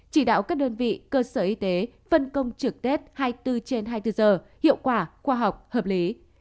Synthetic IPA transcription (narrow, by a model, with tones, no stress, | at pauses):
t͡ɕi˧˩ɗa̰ː˧˨wkaː˦˥k̚ɗəː˧nvḭ˧˨kəː˧səː˧˩ʔi˧t̪e˨˦ | fə˧nkə˧wŋ͡mt͡ɕɨ˨˩k̚t̪e˦˥t̚haː˧jt̪ɨ˧t͡ɕe˧nɦaː˧jt̪ɨ˧zəː˧˩hḭ˧˨əwkwaː˧˩xwaː˧ɦa˨˩wk͡p̚həː˨˩p̚li˨˦